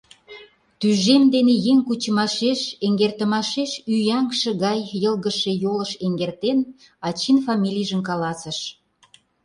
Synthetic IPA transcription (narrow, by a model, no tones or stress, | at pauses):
t̪yʒemd̪enejeŋkut͡ɕəmɑʃeʃeŋɡert̪ə̆mɑʃeʃyjɑŋkʃə̆ɣɑjːəlɣəʃejoləʃeŋɡert̪en | ɑt͡ɕinfɑmʲilʲijʒə̆mkɑlɑsə̆ʃ